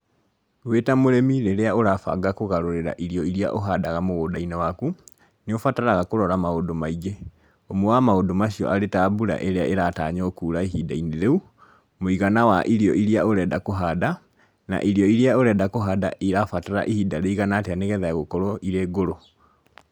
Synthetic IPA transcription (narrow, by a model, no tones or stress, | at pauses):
weːtamoɾemiɾeɾeaoɾafa̰ɡakoɣaɾoɾeɾa̰ʔiɾiɔiɾia̰ʔoɦadaɣamoɣoːdainewaku | neofataɾaɣakoɾɔɾamaodomaiɡe | omowamaodomaɕiɔ̰ʔaɾetaːbuɾa̰ʔeɾeaʔeɾata̰ɲɔokuːɾaiɦidaineɾeu | moiɣanawaʔiɾiɔʔiɾiaoɾɛːdakoɦada | na̰ʔiɾjɔiɾiaoɾɛdakoɦada̰ʔiɾafataɾa̰ʔihidaɾeiɣanateaneɣɛðaaɣokɔɾɔʔiɾeːɡoɾo